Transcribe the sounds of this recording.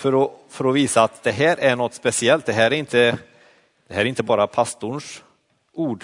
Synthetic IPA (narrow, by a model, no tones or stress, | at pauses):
fœɾɔfœɾɔviːsaːt̪d̪ɛɦæːɾʔæɳɔt̪ːspɛsɪɛlt̪̚d̪ɛɦæːɾæɾɪnt̪ə | d̪̥ɛhæːɾɪnt̪əbɑːɾapʰast̪ʊɳʂ | uːɖ